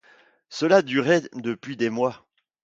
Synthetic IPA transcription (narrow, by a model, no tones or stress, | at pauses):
səlad̪yʁɛd̪əpɥid̪emwa